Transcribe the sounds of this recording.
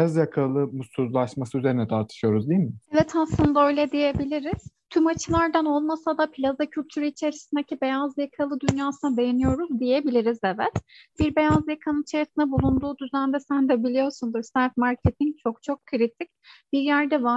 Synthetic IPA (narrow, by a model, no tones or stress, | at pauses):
azjakʰalˠɯmusuɾlˠaʃmasɯyze̞ɾinɛt̪ʰaɾt̪ʰɯ̥ʃɯjo̞ɾuzd̪ijilʲmɪevɛt̪ʰaslˠɯnd̪aø̞jlʲɛd̪ije̞bilʲiɾiz̥t̪ʰymat͡ʃʰɯlˠaɾd̪ano̞lˠmasad̪apʰilʲazacʰylʲt̪ʰyɾyit͡ʃʰe̞ɾisind̪ecʰibe̞jazjakʰalˠɯd̪ynjaːsɯnad̪e̞jenijo̞ɾuzd̪ije̞bilʲiɾizevɛt̪b̥iɾbe̞jazjakʰanɯnit͡ʃʰeɾisinɛbulˠund̪uːd̪yzænd̪ɛsænd̪ɛbilʲijo̞ɾsund̪uɾsaɾt̪maɾcʰet̪ʰint͡ʃʰo̞kt͡ʃʰo̞kkʰːɯɾit̪ʰic̚b̥iɾjæɾd̪ɛva